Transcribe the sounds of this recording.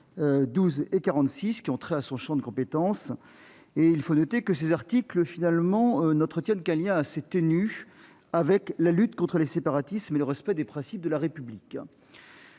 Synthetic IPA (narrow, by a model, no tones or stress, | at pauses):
ød̪uzekaʁɑ̃t̪siskʲiɔ̃t̪χɛasɔ̃ʃɑ̃d̪əkɔ̃pet̪ɑ̃s | eilfonɔt̪ekəsezaʁt̪ikləfinalmɑ̃ønɑ̃t̪χət̪jɛnkɛ̃ljɛ̃aset̪eny | avɛklalyt̪kɔ̃t̪χəlesepaʁat̪ismeləʁɛspɛd̪epχɛ̃sip̚d̪əlaʁepyblik